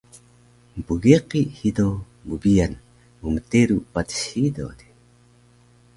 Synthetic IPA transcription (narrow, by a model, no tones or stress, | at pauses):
mpuɡeqihido | bubian | muməteɾupat̪ə̥ɕido̰d̪i̥